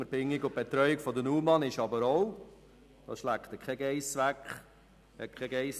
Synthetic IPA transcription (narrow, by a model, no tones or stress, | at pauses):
əɾbɪŋːiɡʊb̥ɛt̪ɾœʏɪkfɔd̪ənuːmɑnɪʃɑbəɾoʊ | d̪̥ɑ̰ʃlækt̪əkʰɛɡɛɪsʋækχ | hɛt̚kʰɛɡɛɪs